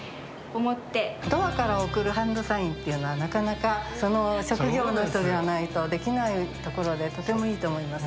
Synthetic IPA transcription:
omot̪ːe̞d̪o̞βakaɾaokɯ̟ɾɯ̟ɦãnd̪o̞saĩnt̪ːe̞iɯ̟no̞βanakanakaso̞no̞ɕo̞kɯ̟ɡʲo̞ːnoçi̥t̪o̞d̪e̞βanait̪o̞d̪e̞kʲinait̪o̞ko̞ɾo̞d̪e̞t̪o̞t̪e̞mo̞iːt̪o̞ːmo̞imasɨ̥

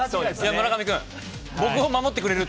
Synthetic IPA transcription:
sod̪esjamoɾakamʲikɯ̟̃ŋ | bo̞kɯ̟omamo̞t̪ːe̞kɯɾe̞ɾɯ̟t̪

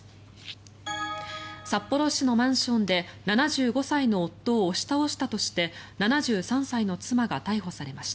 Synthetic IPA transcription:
sapːo̞ɾo̞ɕino̞mãɰ̃ɕõ̞nd̪e̞nanaʑɨːɡo̞saino̞ːt̪ːo̞ːɕi̥t̪ao̞ɕi̥t̪at̪o̞ɕi̥t̪e̞nanaʑɨːsãɰ̃saino̞t͡sɨmaɡat̪aiɦo̞saɾe̞maɕi̥t̪a

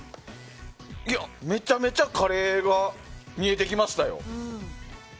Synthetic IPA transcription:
iame̞t͡ɕame̞t͡ɕakʰaɾe̞ɡamʲie̞t̪e̞kʲimaɕi̥t̪ajo̞̰

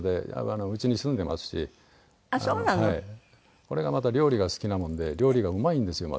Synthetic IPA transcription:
d̪e̞̰anoɯ̟t͡ɕiɲ̟isɨ̃nd̪e̞mʔa̰sɨ̥ɕḭ | soːnahai | ko̞ɾe̞ɡamat̪aɾʲo̞ːɾʲiɡasɨ̥kʲinamõ̞nd̪e̞ɾʲo̞ːɾʲiɡaɯ̟maĩnd̪e̞sɨjo̞ma̰

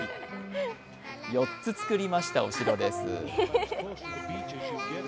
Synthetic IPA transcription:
jo̞tt͡sɨt͡sɨ̥kɯ̟ɾʲimaɕi̥t̪aoɕiɾo̞d̪esɨ̰

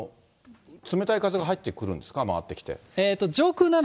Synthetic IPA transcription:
t͡sɨme̞t̪aikazɨɡaɦait̪ːe̞kɯ̟ɾɯ̟̃nd̪e̞sɨ̥kama̰βa̰t̪ːe̞kʲi̥t̪e̞̰eːt̪ːo̞d͡ʑo̞ːkɯːnan

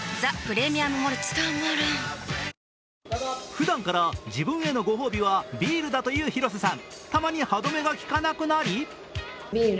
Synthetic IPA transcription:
zapɯ̟ɾe̞mʲijamɯmoɾet͡sɨ̥t̪anaɾɯ | ɸɯ̟d̪ãŋkaɾad͡ʑibɯ̟̃ɰ̃e̞no̞ɡo̞ɦo̞ːbʲiβabʲiːɾɯ̟d̪at̪o̞jɯ̟ːçiɾo̞s̬ɨsãnt̪amaɲ̟ihad̪o̞me̞ɡakʲi̥kanakɯ̟naɾʲi | bʲiː

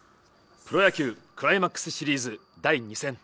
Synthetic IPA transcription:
pɯ̟ɾo̞jakʲɯːkɯ̟ɾaimakːɯ̥sɨ̥ɕiɾʲiːzɨ | d̪aiɲ̟isẽ̞ŋ

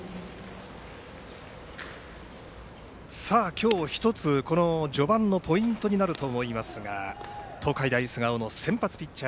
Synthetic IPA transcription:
saːkʲʰo̞ːçi̥t̪o̞t͡sɨko̞no̞d͡ʑo̞bãnːo̞pʰo̞ĩnt̪o̞ɲ̟inaɾɯ̟t̪o̞ːmo̞imasɨɡat̪ʰo̞ːkaid̪aisɨɡaono̞sẽ̞mpat͡sɨ̥pʲit͡ɕːa

